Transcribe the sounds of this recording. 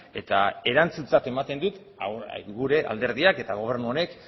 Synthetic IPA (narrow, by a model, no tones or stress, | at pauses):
e̞t̪ae̞ɾant͡sunt͡sat̪e̞mat̪e̞nd̪ut̪ | a̰ɣuɾe̞ʔa̰ld̪e̞ɾðiake̞t̪aɣ̞o̞β̞e̞ɾnuo̞ne̞k